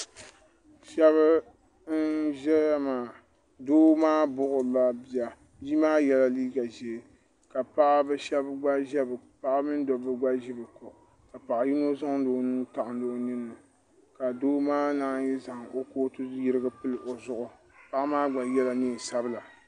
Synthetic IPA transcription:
ʃɛ˦βa˦ | n̩˦ʒɛ˦maː˨ | doː˦maː˦bʊ˦ʔʊ˨la˦bi˨˦a˨ | d͡ʒi˦maː˦jɛ˦la˦liː˦ɡa˨ʒe˨ | ka˨pa˦ʔa˦bɨ˦ʃɛ˦bɡ͡ba˦ʒɛ˦bpa˦ʔa˦mɨ˦n˦dɔ˨bɨ˦ɡ͡ba˦ʒi˦bɨ˨ko˨ʔ | ka˨pa˨ʔji˦no˦za˦ŋdoː˦nuː˦ta˨ʔʊ˨n˦doː˦nɨ˦nːɨ˨ | ka˨doː˦maː˦na˦jɛ˦za˨ŋo˦koː˦tɨ˦ji˦ɾɨ˦ɡɨ˦pɨ˦lʔo˨zʊ˨ʔʊ˦ | pa˦ʔa˦maː˦ɡ͡ba˨jɛ˦la˦neː˦˨sa˦bɨ˦la˨

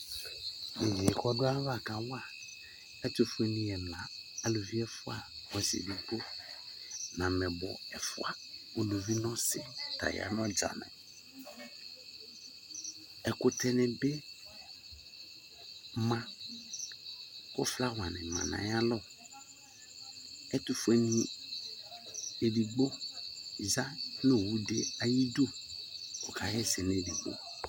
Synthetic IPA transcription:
nɪ̃˨ɡi˨ɛ˨kɔ˦dʊ˦a˦va˨ka˨wa˨ | ɛ˦to˨fe˦nĩ˨˦ɛ˨m˨ã˨a˨lo˨vi˦ɛ˦fʊ˦a˨wɔ˨sḭ˨di˦ɡ͡bo˦ | nã˨mɛ̃˨bɔ̰˨ɛ˨fʊ̰˦a˨o˨lo˨vi˦nɔ̃˦sɪ˨ta̰˨ja̰˨n˦ɔ̃˦d͡ʒa̰˨nɪ̰̃˨ | ɛ˨kʊ˨tʰɛ˦nɪ̃˨be˦ | mã˨ | kʊ˦fla˦wã˨nɪ̰̃˨mã̰˨nã̰˨ɲ˦ã˦lɔ˦ | ɛ˦tʊ˦fɛ˨nĩ˨˦ | e˨ɖi˨ɡ͡bo˦ | za˦no˦˨wu˨de˦a˨ji˦do˦˨ | ʊ˨kʰa˨jɛ˦sɪ˨ne˨di˨ɡ͡bo̰˦

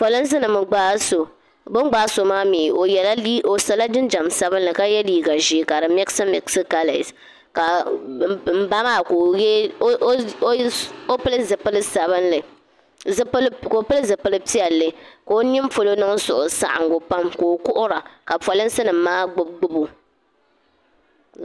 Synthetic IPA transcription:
pɔ˨lɨ˦ns̬ɨ˦nɨ˨mɨ˨ɡ͡baː˦so˨ | bɨ˦ɡ͡ba˨˦so˨maː˦miː˨o˨jɛ˨la˦i˦o˨sa˨la˦dɨ˦nd͡ʒa˨msa˨bɨ˦nlɨ˨ka˦jɛ˦liː˦ɡa˨ʒi˦˨ka˨ɾɨ˨mɛ˦ksi˦mɛ˨ksi˦ka˨la˨s | ka˨ | m̩˨ba˦maː˦˨ko˨jɛ˦ | o˦pɨ˦lɨ˦zɨ˨pɨ˦lɨ˦sa˨βɨ˦nlɨ˨ | zplkːpɨ˦lɨ˦zɨ˨pɨ˦lɨ˦pi˦ɛ˨lːɨ˨ka˨o˦nɪ˦m˦fo˦lo˦nɨ˦ŋsʊ˨ʔʊ˨sa̰˦ʔa̰˨ŋɡo˨pa˦mko˨o˨kʊ˦ʔʊ˦ɾa˨ka˨pɔ˨lɨ˦n˦sɨ˦nɨ˨m̩˦maː˦ɡ͡bʊ˦b̚ɡ͡bʊ˦bu˨

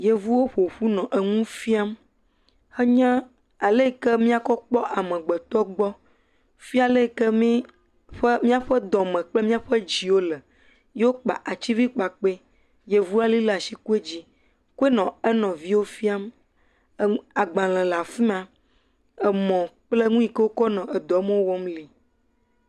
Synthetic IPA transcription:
je˨vu˦wo˦ɸo˨ɸu˦nɔ̃˨ʔe˨ŋũ˦fi˦a˦m | xɛ˦ɲɛ̃˦ | a˨le˦kɛ˦mĩ˦a˦kɔ˦k͡pɔ˦ʔa˨mɛ̃˨ɡ͡bɛ˨t̪ɔ˦ɡ͡bɔ˦ | fi˦a˨le˦˨kə˦mĩ˦ | ɸə˦mĩ˦a˦ɸə˦d̪ɔ˨mɛ̃˨k͡ple˦mĩ˦a˦ɸə˦d͡ʑi˨wo˦lɛ˨ | je˦wo˦k͡pa̰˨ʔa˨t͡ɕi˦vi˦k͡pa˨k͡pe˦ | je˦vu˦a˦li˦la˨si˦ku˦e˦d͡ʑi˦ | ku˦e˦nɔ̃˨ɛ˦nɔ̃˨vi˦wo˦fi˦a˦m˨ | a˨ɡ͡bã˨l̃ɛ̃˨la˨fi˦mã˨ | ɛ˨mɔ̃˨k͡plɛ˦ŋũ˦i˦kə˦wo˦kɔ˦nɔ̃˨ʔɛ˨d̪ɔ˨˦mə̃˦wo˦wɔ˦mli˨

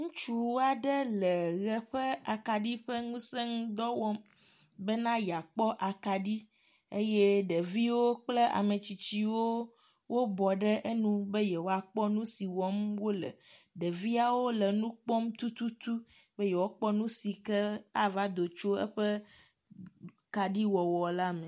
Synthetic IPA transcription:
ŋũ˦t͡ʃu˦wo˦a˨ɖə˦lə˨ɣɛ˨ɸə˦a˨ka˨ɖi˦ɸə˦ŋũ˦sɛ˦ŋũ˦d̪ɔ˦wɔ˦m | bə˦nã˦ja˨k͡pɔ˦ʔa˨ka˨ɖi˦ | e˦je˦ɖə˨vi˦wo˦k͡ple˦a̰˨mə˨t͡ɕi˨t͡ɕi˦wo˦ | wʔo˦bɔ˨ɖɛ˦ʔe˦nũ˦be˦jɛ˨wo˦a˨k͡pɔ˦nũ˦si˨wɔ˦mwo˦lɛ̰˨ɖɛ˨vi˦a˨wo˦lɛ˨nũ˦k͡pɔ˦mt̪u˦t̪u˦t̪u˦be˦jɛ˨wo˦k͡pɔ˦nũ˦si˨kɛ˦a˦va˦d̪o˨t͡ʃo˦ɛ̰˦ɸɛ˦ | ka˨ɖi˦wɔ˨wɔ˨la˦mɛ̃˨

